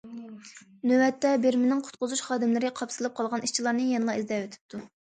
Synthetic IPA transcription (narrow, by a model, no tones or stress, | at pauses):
nøwɛt̪ːɛbeɾmɪnɪŋqʰʊ̥t̪̚qʊzuʃχɑːd̪ɪmlɨɾɪqʰɑpsɨlˠɨp̚qʰɑlˠʁɑniʃt͡ʃʰilˠɑɾnɨjenɨlˠɑizd̪ɛwøt̪ʰɪ̥p̚t̪ʰu